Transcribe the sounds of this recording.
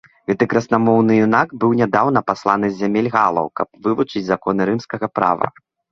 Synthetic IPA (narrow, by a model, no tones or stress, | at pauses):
ɣɛt̪ɨkɾɐsnamɔwnɨjunakbɨwnʲad̪awnɐpaslˠanɨzʲamʲelʲɣalˠɐ̰wkɐp̚vɨvut͡ʂɨd͡zʲzakɔn̪ɨɾɨmskɐɣɐpɾa̰vɐ̰